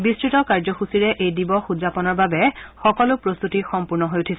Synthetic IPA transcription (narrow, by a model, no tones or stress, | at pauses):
bistɹitɔkaɹzɔxusiɹɛʔejdibɔxudzapɔnɔɹbabɛxɔkɔlʊpɹost̪utixɔmpuɹnɔɦojʊtʰisɛ